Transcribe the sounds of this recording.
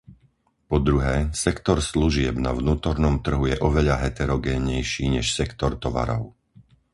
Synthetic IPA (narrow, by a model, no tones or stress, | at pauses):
pɔd̪ɾuɦɛːsɛkt̪ɔɾsluʒɪɛbna̰ʋnuːt̪ɔɾnɔmt̪r̩ɦujɛʔɔʋɛʎaɦɛt̪ɛɾɔɡɛːɲɛjʃiːɲɛʃsɛkt̪ɔɾt̪ɔʋa̰ɾɔʊ